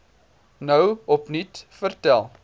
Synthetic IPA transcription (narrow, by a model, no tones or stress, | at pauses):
nəwɔpnitfərtælˠ